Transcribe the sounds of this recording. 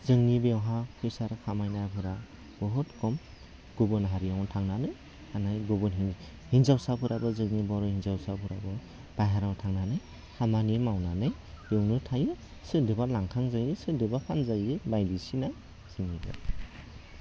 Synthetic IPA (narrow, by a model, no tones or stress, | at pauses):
zɯŋnibewɦakʰɯjsaɾkʰamajnajapʰɯɾa | b̥ɔɦɔtkʰɔm | ɡ̥ubɔnɦaɾijawtʰaŋnanɯj | hanajɡubɔnɦi | hinzawsapʰɯɾʔabɯzɯŋnibɔɾɔhinzawsapʰuɾabɯ | b̥ajɦaɾawtʰaŋnanɯj | hamanimawnanɯj | b̥ewnɯtʰajɯ | sɯdɯbalaŋkʰaŋzajɯsɯdɯbapʰanzajɯbajdisina | z̥ɯŋiɡɯ̰